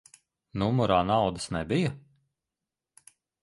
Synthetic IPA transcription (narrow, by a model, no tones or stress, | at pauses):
numuɾaːnawd̪əsnɛbijɐ